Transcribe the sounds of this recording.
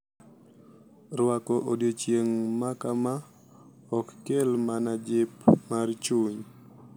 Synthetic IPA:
ɾwakɔʔodjot͡ʃjeŋmakama | ɔkːelmanad͡ʒɪpmaɾt͡ʃuɲ

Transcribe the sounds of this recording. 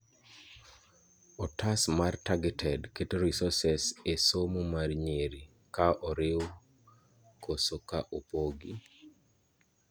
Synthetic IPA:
ɔtʰasmartaɡɛtʰɛdketoɾisɔsɛsesomomarɲeɾi | kaʔɔɾɪw | kʰosokaʔopoɡi

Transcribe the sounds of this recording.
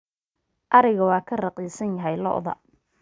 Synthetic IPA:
ʔɑɾɪɣɐwɑːkʰɐrɑqiːsɐnjɐɦɛjlɔ̰ʔðɐ̰

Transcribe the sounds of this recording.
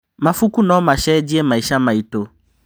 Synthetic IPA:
mãfukunɔ̃maʃɛd͡ʑiɛmaiʃamãito

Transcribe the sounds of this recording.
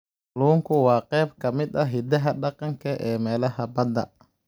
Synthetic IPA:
luːŋkʰʊwɑːqɛːbkʰɐmɪd̪ɐɦɪd̪ɐɦɐɗɑqɑŋkʰɐʔɛːmɛːlɐhɐbɐd̪ɐ̰

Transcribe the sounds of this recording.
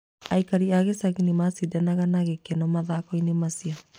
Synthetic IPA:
aikaɾiaɣesaɣinemasidanaɣanaɣekenɔmaðaːkɔinemasia

